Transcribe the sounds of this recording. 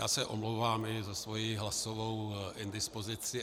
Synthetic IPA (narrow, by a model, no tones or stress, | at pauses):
jaːsɛʔomlowvaːmɪzasvo̞jiɦlasovowʔɛnd̪ɪspozɪt͡sɪ